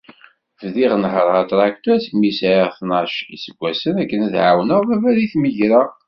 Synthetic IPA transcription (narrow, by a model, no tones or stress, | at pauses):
vðiʁnəħɾˤʁɑt̪ˤɾˤɑkt̪æsmisʕiʁθnɑʃḭsəɡʷːæsənækːənæðʕa̰wnəʁvævæɾiθməʝɾæ